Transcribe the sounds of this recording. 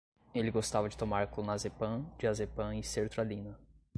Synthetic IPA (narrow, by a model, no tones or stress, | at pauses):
elɪɡost̪avɐd͡ʒɪt̪omaɾklõnazepɐ̃d͡ʒɪazepɐ̃iseɾt̪ɾalĩnɐ